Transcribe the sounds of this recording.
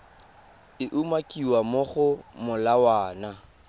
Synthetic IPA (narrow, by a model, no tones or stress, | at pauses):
ɪʔumakʼiwamʊχʊmʊlawaːna